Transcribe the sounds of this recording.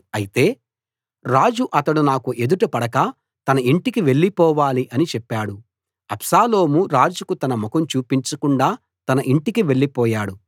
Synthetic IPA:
ɐjit̪e̞ː | ɾaːd͡ʒuʔɐt̪ɐɽunaːkuʔe̞d̪uʈupɐɽɐkɐ | t̪ɐnɐiɳʈikiʋe̞ɭːipɔːʋaːliʔɐnit͡ʃɛpːaːɽu | ɐpsaːlo̞ːmuɾaːd͡ʒukut̪ɐnɐmɔkɐmt͡ʃuːpiɲt͡ʃɐkuɳɖaː | t̪ɐnɐʔiɳʈikiʋe̞ɭːipɔːjaːɽu

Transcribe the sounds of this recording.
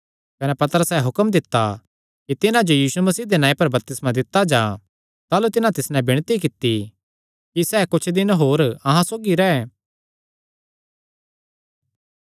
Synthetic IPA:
kɐnɛpɐt̪əɾəsɛɦʊkəmd̪ɪt̪ːa | kit̪ɪnãd͡ʒojiːsumɐsiːd̪enãːĩpɐɾbɐp̚t̪ɪsmãd̪ɪt̪ːad͡ʒãː | t̪aːlut̪ɪnãt̪ɪsnɛ̃bɪɽ̃t̪ikɪt̪ːi | kisɛːkʊt͡ʃʰd̪ɪnɦoːɾɐɦãsoːɡiɾɛɛ

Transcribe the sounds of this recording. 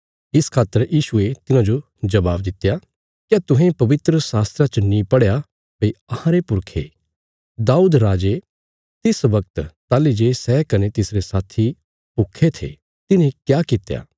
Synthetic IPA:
ɪskʰaːt̪ːəɾjiːʃuet̪ɪnãd͡ʒo | d͡ʒɐbaːbd̪ɪt̪ːeja | kjat̪ʊ̃ɦẽpɐʋɪt̪ɾəsaːst̪ɾat͡ʃənĩpɐɽja | pɐiɐhãɾepʊɾkʰḛ | d̪aːuːd̪ɾaːd͡ʒe | t̪ɪsʋɐk̚t̪t̪aːlid͡ʒeːsɛːkɐnet̪ɪsɾesaːt̪ʰi | pʊkʰːet̪ʰḛ | t̪ɪnẽkjaːkɪt̪ːeja̰ː

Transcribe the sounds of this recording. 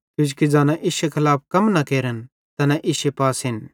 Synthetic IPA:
kʊd͡ʒ̬kid͡zãːnãʔɪʃekʰɐlaːp̚ʰkɐmnɐkeːɾən | t̪ɐnãʔɪʃepaːsɦɪn

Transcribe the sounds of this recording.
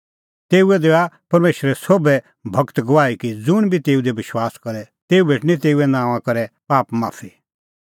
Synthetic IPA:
t̪eːuɛd̪eːapɐɾmeːʃɾɛsoːbɛ | bʱɐkt̪ɡɐʋaːikid͡zʊɽ̃bʱit̪eːud̪ebɪʃwaːskɐɾɛ | t̪eːubʱeːʈnĩt̪eːuɛnãːʋãkɐɾɛpaːpma̰ːfʰi

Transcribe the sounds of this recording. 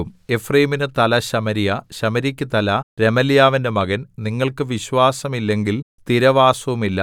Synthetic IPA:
ume̞frɐjiminɨt̪ɐlɐɕɐmɐɾijɐɕɐmɐɾikʲːɨt̪ɐlɐɾe̞mɐljaːʋindemɐɣɐnniŋːɐɭkɨʋiɕʋaːsɐmilːe̞ŋɡil | t̪iɾɐʋaːsɐʋumilːɐ

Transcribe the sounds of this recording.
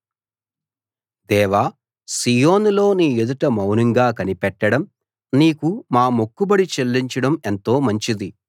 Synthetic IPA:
d̪ɛːʋaː | sijoːnlo̞ːniːjud̪ɐʈɐmɐwnɐŋɡaːkɐnipɛʈːɐɽɐm | niːkumaːmokːubɐɽit͡ʃelːiɲt͡ʃɐɽɐme̞nt̪o̞ːmɐɲt͡ʃid̪i

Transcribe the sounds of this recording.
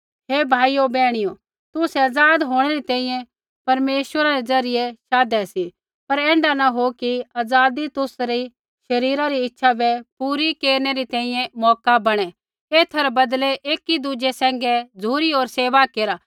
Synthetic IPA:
ɦeːbʱaːijobɛːɽ̃ɪjo | t̪ʊsɛɐd͡zaːd̪ɦoːɽ̃ɛɾit̪ɛ̃ːĩjɛ̃ | pɐɾmeːʃwəɾaɾed͡zɐɾɪjeʃaːd̪ɛsi | pɐɾɛ̃ːɳɖanaɦokiaːd͡zaːd̪it̪ʊsɾi | ʃɐɾiːɾaɾiɪtːʃʰabɛpuːɾikeːɾnɛɾit̪ɛ̃ːĩjɛ̃mɔːkabɐɽ̃ɛ | eːt̪ʰɐɾbɐd̪lɛʔeːkid̪ud͡ʒesɛ̃ːŋ̆ɡɛd͡zʱuːɾioːɾseːʋakeːɾa

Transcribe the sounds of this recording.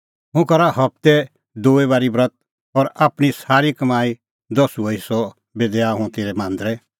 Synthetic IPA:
ɦũkɐɾaɦɐp̚t̪ɛ | d̪oːeβaːɾibɾət̪̚ | ɔɾaːpɽ̃isaːɾikəmaːi | d̪ɔsuoisɔ | beːd̪ɛaɦũt̪eːɾɛmãːnd̪ɾɛ

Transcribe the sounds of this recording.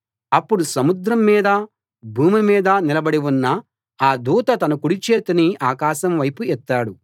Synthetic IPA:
ɐpːuɽusɐmud̪ɾɐmːiːd̪ɐ | bʱuːmimiːd̪ɐnilɐbɐɽiwunːɐ | aːd̪uːt̪ɐt̪ɐnɐkuɽit͡ʃeːt̪ɐniaːkaːʃɐmʋɐjpuɛt̪ːaːɽu

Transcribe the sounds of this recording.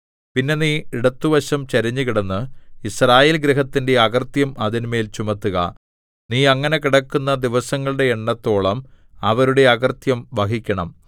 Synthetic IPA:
pinːe̞niːiɽɐt̪ːuʋɐɕɐmt͡ɕɐɾɐɲːukiɽɐnːɨisraːje̞ːlɡɾiɦɐt̪ːinde̞ɐɣɐrt̪jɐmʔɐðinme̞ːlt͡ɕumɐt̪ːuɣɐ̰ | niːɐŋːɐne̞kiɽɐkːunːɐd̪iʋɐsɐŋːɐɭuɽe̞ːɳːɐt̪ːo̞ːɭɐm | ɐʋɐɾuɽe̞ɐɣɐrt̪jɐmʋɐɦikʲːɐɳɐm

